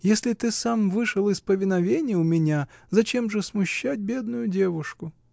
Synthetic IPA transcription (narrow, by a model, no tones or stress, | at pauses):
jesʲlʲɪt̪ɨsamvɨʂɨlˠɨspəvʲɪnɐvʲenʲɪjəʊmʲɪnʲazɐt͡ɕe̞mʐɨsmʊɕːætʲbʲe̞d̪nʊjʊdʲevʊʂkʊ